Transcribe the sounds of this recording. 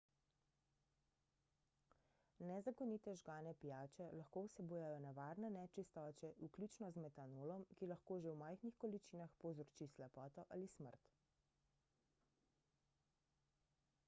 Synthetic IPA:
nɛzakɔniːt̪ɛʒɡaːnɛpijaːt͡ʃɛlaxkoːwsɛbuːjajɔnɛʋaːɾnɛnɛt͡ʃist̪ɔːt͡ʃɛʔuklʲuːt͡ʃnɔzmɛt̪anoːlɔmkilaxkoːʒewmaːjxnixkɔlit͡ʃiːnaxpɔzɔɾt͡ʃislɛpɔːt̪ɔʔalismə̰ɾt̪

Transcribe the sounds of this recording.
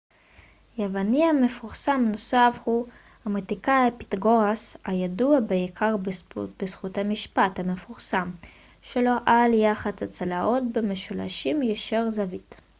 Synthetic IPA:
jevaniame̞fuʁsamno̞safhu | hametikajapi̥tɡoʁasajaduabeikʰaʁbesχuthamiʃpathame̞fuʁsam | ʃelo̞ʔaljaχat͡sat͡salaʔo̞tbemeʃula̰ʃimjeʃeʁzavit

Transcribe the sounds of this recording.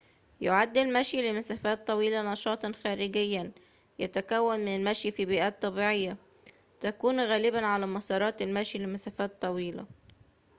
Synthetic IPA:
jʊʕad̪ːɪlmaʃjlɪmasaːfaːt̪ˤːɑwiːlanɑʃɑːt̪ˤɑnxæːɾɪɡɪjːan | jat̪akawːanmɪnalmaʃjfiːbiːʔaːt̪ˤːɑbiːʕɪjːa | t̪akuːnɣæːlɪbanʕalaːmɑsˤɑːɾˤɑːt̪ɪlmaʃjlɪmasaːfaːt̪ˤːɑwiːla̰

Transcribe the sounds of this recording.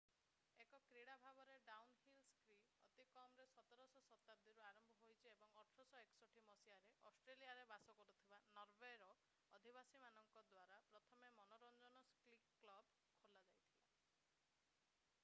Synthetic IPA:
ekɔkɾiɽabʱabɔɾeɖawnɦilskɾi | ɔt̪ikɔmɾesɔt̪ɔɾɔsɔsɔt̪ab̚d̪iɾuaɾɔmbʱɔɦojt͡ʃʰiebɔŋɔʈʰɾɔsɔeksɔʈʰimɔsiaɾeʔɔsʈɾelijaɾebasɔkɔɾut̪ʰibanɔɾbeɾɔ | ɔd̪ʱibasimanɔŋkɔd̪waɾapɾɔt̪ʰɔmemɔnɔɾɔnd͡ʒɔnɔsklikːlɔb | kʰolad͡ʒajt̪ʰila

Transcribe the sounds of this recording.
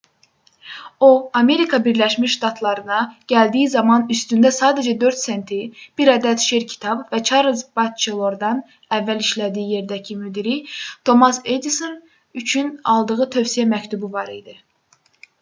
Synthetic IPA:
o̞ɑme̞ɾikʰɑbiɾlæʃmiʃʃt̪ɑt̪ʰlˠɑɾɯnɑɟ̥æld̪ijizɑmɑnyst̪ynd̪æsɑːd̪æd͡ʒæd̪ø̞ɾt̪sent̪ʰib̥iɾɑd̪æt̪ʃeɾcʰi̥t̪ʰɑbvæt͡ʃʰɑɾɯzbɑt̪̚t͡ʃʰilˠo̞ɾd̪ɑn | ævːæliʃlæd̪ijije̞ɾd̪æcʰimyd̪iɾit̪ʰo̞mɑse̞d̪iso̞n | yt͡ʃʰynɑ̰lˠd̪ɯʁɯt̪ʰø̞vsijæmæct̪ubuvɑɾid̪i

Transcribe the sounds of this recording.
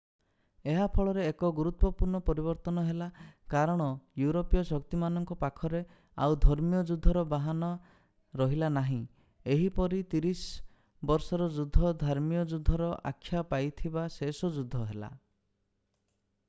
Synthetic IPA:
eɦapʰɔɭɔɾeːkɔɡuɾut̪wɔpuɾɳɔpɔɾibɔɾt̪ɔnɔɦelakaɾɔɽ̃ɔjuɾopijɔsɔkt̪imanɔŋkɔpakʰɔɾe | a̰wd̪ʱɔɾmijɔd͡ʒud̪ʱːɔɾɔbaɦanɔ | ɾɔɦilanaɦĩ | eɦipɔɾit̪iɾis | bɔɾsɔɾɔd͡ʒud̪ʱːɔd̪ʱaɾmijɔd͡ʒud̪ʱːɔɾɔʔa̰kʰːjapajt̪ʰibasesɔd͡ʒud̪ʱːɔɦela̰

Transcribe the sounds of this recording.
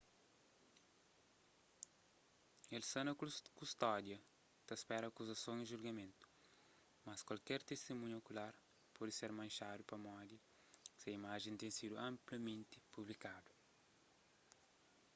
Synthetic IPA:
elsɐ̃nɐkust̪ɔd̪jɐ | t̪ɐspɛɾɐːkuzɐsõw̃iʒuɾɡɐmẽnt̪u̥ | mɐskwɐlkɛɾt̪est̪emũɲokulaɾ | pɔd̪ɪseɾmɐ̃jʃad̪upɐmɔd̪ɐ | sɐimaʒẽnt̪ẽj̃sid̪uɐ̃mplɐmẽnt̪ɪpublikad̪u̥

